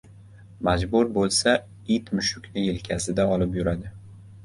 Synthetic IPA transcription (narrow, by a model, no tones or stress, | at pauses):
mad͡ʒbʊɾbolˠsa | it̪mʊʃʊkʲnɪelkʲʰasɪd̪aɒlɪpjʊɾad̪ɪ